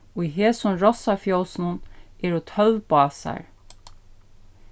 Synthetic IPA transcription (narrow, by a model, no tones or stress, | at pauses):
ʊjɦeːsʊmɹɔsafjɔwsɪnʊnɛɾʊt̪ʰœlpɑːsa̰ɹ